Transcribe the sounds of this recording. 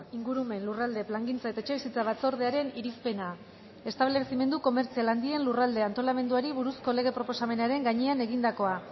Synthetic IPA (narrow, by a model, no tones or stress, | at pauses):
iŋɡuɾume̞nlurald̪e̞plaŋɡint͡sae̞t̪aet͡ʃe̞βisit͡saβ̞at͡so̞ɾð̞e̞aɾe̞niɾispe̞na | e̞st̪aβlesime̞nd̪uko̞me̞ɾt͡sialand̪ie̞nlurald̪e̞ant̪o̞lame̞nd̪uaɾiβuɾusko̞le̞ɣ̞e̞pɾo̞po̞same̞naɾe̞ŋɡaɲeane̞ɣind̪ako̞a